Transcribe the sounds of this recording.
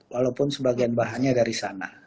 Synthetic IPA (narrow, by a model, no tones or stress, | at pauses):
walawpʊnsəbaɡianbaɦaɲadaɾisana